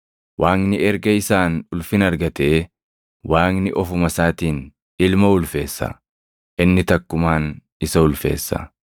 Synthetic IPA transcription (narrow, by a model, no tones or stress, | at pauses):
wʔaːŋnɪɛɾɡɐɪsaːnʊlfɪnɐɾɡɐt̪eː | wʔaːŋnɪʔɔfʊmɐsaːt̪iːn | ɪlmɐʊlfe̞̰ːsːɐ̰ | ʔɪnːɪt̪ɐkːʊmaːn | ɪsɐʊlfe̞̰ːsːɐ̰